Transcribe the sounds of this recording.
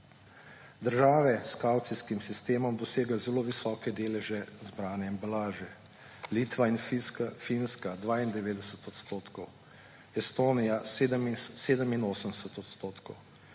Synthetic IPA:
d̪əɾʒaːʋɛskawt̪siskimsist̪eːmɔmd̪ɔseːɡɛzɛloːʋisɔːkɛd̪eːlɛʒɛzbɾaːnɛɛmbalaːʒɛ | liːt̪ʋainffinskad̪ʋaːind̪ɛʋeːd̪ɛsət̪ɔt̪st̪oːt̪kɔw | ɛst̪oːnijased̪əmseːd̪əminoːsənd̪ɛsət̪ɔt̪st̪oːt̪kɔw

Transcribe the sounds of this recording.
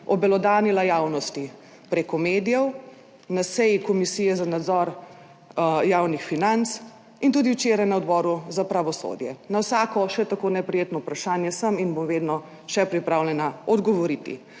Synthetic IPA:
ɔbɛlɔd̪aːnilajaːwnɔst̪i | pɾeːkɔmeːd̪ijɛw | nasɛjikɔmisiːjɛzanad̪zɔɾ | jawnixfinant̪s | int̪uːd̪iwt͡ʃeːɾajnaɔd̪bɔːɾuzapɾaʋɔso̰d̪jɛnawsaːkɔʃɛt̪akoːnɛpɾɛjeːt̪nɔwpɾaʃaːnjɛsəminbomʋeːd̪nɔ | ʃɛpɾipɾawlʲɛnaɔd̪ɡɔʋɔɾit̪ḭ

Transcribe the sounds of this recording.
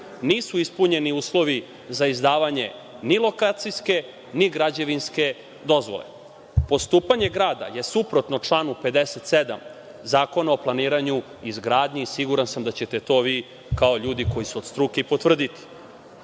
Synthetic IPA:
niːsuispuɲe̞niuːslˠo̞ʋi | zaizd̪aːʋaɲe̞ | nilˠo̞kaːt̪sijske̞ | niɡɾad͡ʑeʋinske̞ | d̪o̞zʋo̞̰lḛ | po̞st̪uːpaɲe̞ɡɾaːd̪a̰je̞supɾo̞t̪not͡ʂlˠaːnupe̞d̪eset̪sed̪a̰m | zaːko̞naoplˠaniːɾaɲu | izɡɾaːd̪ɲisiɡuɾansamd̪at͡ɕet̪e̞t̪o̞ːʋiː | kao̞ʎuːd̪iko̞jisuod̪st̪ɾukeipo̞t̪ʋr̩d̪it̪i̥

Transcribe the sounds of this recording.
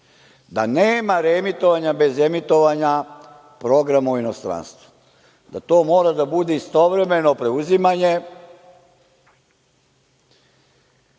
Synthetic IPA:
d̪aneːmaɾe̞mit̪o̞ʋaɲabe̞ze̞mit̪o̞ʋaɲa | pɾo̞ɡɾamuino̞st̪ɾa̰nst̪ʋu̥ | d̪at̪o̞ːmo̞ːɾad̪abud̪eist̪o̞ʋɾe̞me̞no̞pɾe̞uzimaɲe̞

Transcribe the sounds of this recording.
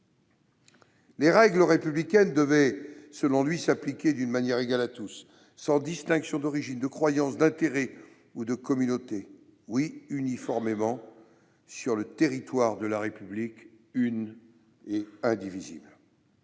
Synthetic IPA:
leʁɛɡləʁepyblikʲɛnd̪əvɛsəlɔ̃lɥisaplikʲed̪ynmanjɛʁeɡalat̪usː | ɑ̃d̪ist̪ɛ̃ksjɔ̃d̪ɔʁiʒind̪əkχwajɑ̃sd̪ɛ̃t̪eʁɛ | ud̪əkɔmynot̪e | wiynifɔʁmemɑ̃ | syʁlət̪eʁit̪waʁd̪əlaʁepyblik | yn | eɛ̃d̪ivizḭbl

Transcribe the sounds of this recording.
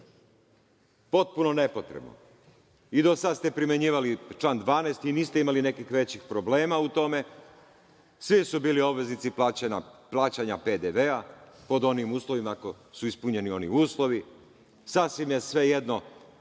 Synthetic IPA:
po̞t̪̚puno̞ne̞pot̪ɾebno̰ | id̪o̞sad̪st̪e̞pɾimjeɲiːʋalit͡ʃlˠand̪ʋaːneːst̪iniːst̪eimaline̞kixʋe̞t͡ɕixpɾo̞ble̞ːmaut̪o̞me̞ | sʋisubiːlio̞bʋe̞znit̪si | plˠaːt͡ɕaɲaped̪eʋeapo̞d̪o̞nimuːslˠoʋimako̞ | suispuɲe̞nio̞nḭuːslˠo̞ʋi | sasʋimje̞sʋe̞je̞d̪no̞

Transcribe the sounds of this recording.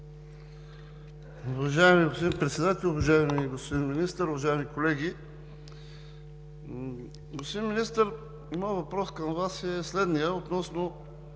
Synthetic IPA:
ʊvɐʒaɛmiɡospod̪inpɾɛt̪sɛd̪at̪ɛlʲʊvɐʒaɛmiɡospod̪inminist̪əɾʊvɐʒaɛmikolɛɡ̟ʲi | ɡospʊd̪inminist̪əɾ | mɔjəvɐpɾɔskɐmvasɛslɛd̪nijəot̪nɔsno

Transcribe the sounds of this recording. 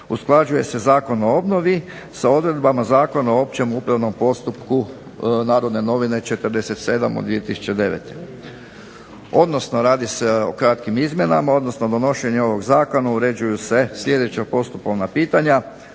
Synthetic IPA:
usklˠad͡ʒuje̞se̞zaːko̞no̞obno̞ʋi | sao̞d̪ɾe̞d̪bamazaːko̞noo̞p̚t͡ɕe̞mupɾaʋno̞mpo̞st̪upku | naːɾo̞d̪ne̞no̞ʋine̞t͡ʃe̞t̪ərd̪e̞se̞t̪se̞ːd̪amo̰d̪ʋie̞t̪isu̥t͡ɕe̞d̪e̞ʋḛt̪e | o̞d̪no̞sno̞ɾaːd̪ise̞o̞kɾat̪kimizmʲje̞namao̞d̪no̞snod̪o̞no̞ʃe̞ɲeo̞ʋo̞ɡzaːko̞nauɾe̞d͡ʑujuse̞sʎʲe̞d̪et͡ɕapo̞st̪upoʋnapiːt̪aɲa

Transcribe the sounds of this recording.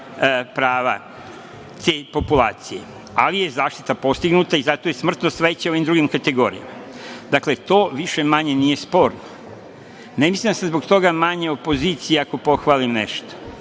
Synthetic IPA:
pɾaːʋa | t̪ʰe̞po̞pula̰ːt̪sije̞ | a̰lije̞zaːʃt̪it̪apo̞st̪iɡnuːt̪aizat̪ojesmr̩t̪nosʋet͡ɕeoʋimd̪ɾuɡimkat̪e̞ɡo̞ːɾija̰ma | d̪akle̞t̪o̞ːʋiʃe̞maɲe̞nije̞spo̞ːɾno | nemislimd̪asezbo̞ɡt̪o̞ɡamaɲe̞o̞po̞ziːt̪sijeako̞po̞xʋaːlimnḛʃt̪o̥

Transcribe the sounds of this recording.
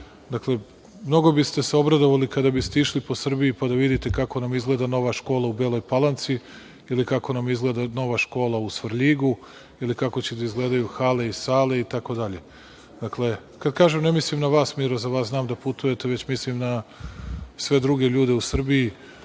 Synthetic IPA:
d̪akle̞ | mno̞ɡo̞bist̪e̞seo̞bɾad̪o̞ʋalikad̪abist̪e̞iʃlipo̞sr̩biipad̪aʋid̪it̪e̞kako̞namizɡle̞ːd̪ano̞ʋaʃko̞ːlˠaubelˠo̞jpalˠant̪si | ilikako̞namizɡle̞ːd̪ano̞ʋaʃko̞ːlˠausʋrʎiɡu | ilikako̞t͡ɕed̪aizɡle̞ːd̪ajuxaːle̞isaːle̞it̪ako̞d̪aʎe̞ | d̪akle̞ | kad̪kaːʒemne̞mislimnaʋaːsmiɾozaʋaːsznaːmd̪aput̪uje̞t̪e̞ʋet͡ɕmislimna | sʋe̞d̪ɾuɡe̞ʎuːd̪e̞usr̩bii

